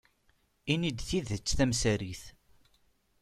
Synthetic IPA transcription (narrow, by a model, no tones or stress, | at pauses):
inid̪θiðət͡sːθæmsæɾiθ